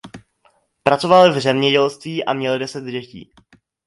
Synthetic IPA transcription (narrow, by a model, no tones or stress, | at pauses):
pɾat͡so̞valvzɛmɲɛɟɛlst̪viːʔa̰mɲɛldɛsɛd̪ɟɛcḭː